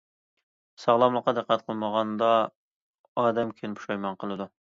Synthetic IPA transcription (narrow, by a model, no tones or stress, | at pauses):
sɑʁlˠɑmlˠəqːɑd̪əqʰːæt̪̚qʰəlˠməʁɑnd̪ɑ | ɑːd̪ɛmkʲʰenpʰu̥ʃɑjmɑnqʰəlˠɨd̪u